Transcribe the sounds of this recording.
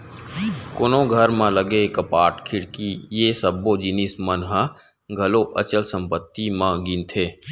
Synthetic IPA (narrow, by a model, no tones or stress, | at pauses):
konõɡʱəɾmãləɡekəpaːɾʈkʰɪɽkijesəbːod͡ʒɪnismənɦã | ɡʱɐloʔə̰t͡ʃəlsə̃mpət̪ːimãɡint̪ʰeː